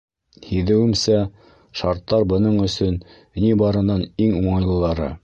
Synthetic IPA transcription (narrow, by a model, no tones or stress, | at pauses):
hiðɘ̆wɘ̆msæ | ʃɑɾt̪ːɑɾbɤ̆nɤɴɵ̆sɵn | nibɑɾɤ̆nɑniŋuɴɑjlˠɤ̆lˠɑɾɤ̰